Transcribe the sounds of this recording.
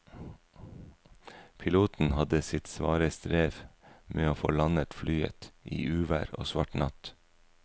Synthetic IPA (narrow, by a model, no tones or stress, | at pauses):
pʰɪluːt̪n̩hɑd̪əsɪt̪sʋɑːɾəst̪ɾeːʋmʔeːoːfo̰ːlɑnət̪flyːə̰t̪ʔḭːʔʉːʋæ̰ːɾo̰ːsʋɑʈnɑt̪